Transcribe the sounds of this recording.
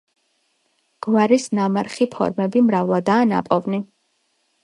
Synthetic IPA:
ɡ̥vaɾisnamaɾχipʰɔ̰ɾmɛbimɾavlˠad̪aːna̰pʼɔvni

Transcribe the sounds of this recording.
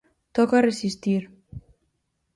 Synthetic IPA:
t̪ɔkaresist̪iɾ

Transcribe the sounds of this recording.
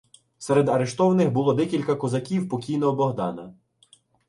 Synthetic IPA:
sɛɾed̪ɐɾeʃt̪ɔwɐnɪxbʊlˠɔd̪ɛkʲilʲkɐkɔzɐkʲiwpɔkʲijnɔɦɔbɔɦd̪ɑ̰nɐ

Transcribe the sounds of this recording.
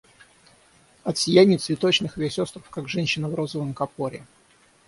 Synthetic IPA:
ɐt̪sʲɪjænʲɪjət̪svʲɪt̪o̞t͡ɕnɨxvʲesʲost̪ɾəfkaɡʐɛnʲɕːɪnəvro̞zəvəmkɐpoɾʲɪ

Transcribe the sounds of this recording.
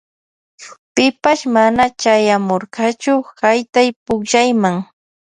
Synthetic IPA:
pɪpaʃmanat͡ʃajamoɾɢɑt͡ʃʊhajt̪ajpʊkʃajmaŋ

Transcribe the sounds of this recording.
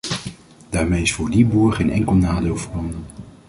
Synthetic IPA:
d̥aːɹmejɪsfʊːɹdibuːɹχejnʔɛŋkəlˠnaːdɪːlˠvəɹɑndən

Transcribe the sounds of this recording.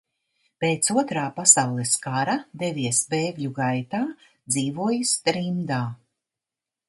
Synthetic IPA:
peːt̪suɔt̪ɾaːpasawlˠɛskaɾad̪eviɛsbeːɡʎʲuɡajt̪aː | d̪ziːvuɔjist̪ɾimd̪aː

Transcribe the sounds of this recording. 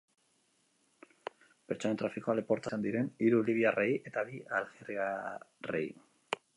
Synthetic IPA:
pe̞ɾt͡sonet̪ɾafikoalepo̞ɾt̪asand̪iɾe̞niɾuliβ̞iare̞je̞t̪aβialɣeriare̞̰j

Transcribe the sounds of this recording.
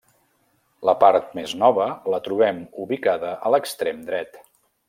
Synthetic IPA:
ləpaɾt̪̚meznɔβələt̪ɾuβ̞ɛmuβikaðəʔələkst̪ɾemd̪ɾɛt̪

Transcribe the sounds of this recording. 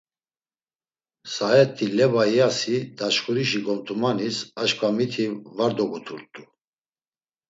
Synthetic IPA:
saɛt̪ʰːilɛbajasid̪aʃχuɾiʃiɡɔmt̪ʰʼumanisaʃkʰʼvamit̪ʰivaɾd̪ɔɡut̪ʰuɾt̪ʼu

